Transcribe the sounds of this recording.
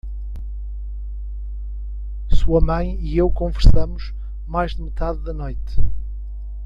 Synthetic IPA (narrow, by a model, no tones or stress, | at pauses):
suɐmɐ̃j̃iewkõvɨɾsɐmuʃ | majʒðɨmɨt̪aðːɐnojt̪